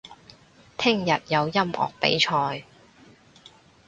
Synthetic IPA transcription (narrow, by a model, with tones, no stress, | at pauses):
t̪ʰɪ˥ŋjɐ˨t̚jɐ˨˧wjɐ˥mɔ̰ː˨k̚pḛ˨˥jt͡ʃʰɔː˧j